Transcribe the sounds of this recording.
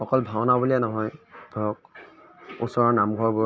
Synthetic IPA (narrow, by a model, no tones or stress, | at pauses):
xɔkɔlbʱawnabulianɔɦɔjb̥ʱɔɔk̚ | ṵsɔɹɔɹnamɡʱɔɹbɔ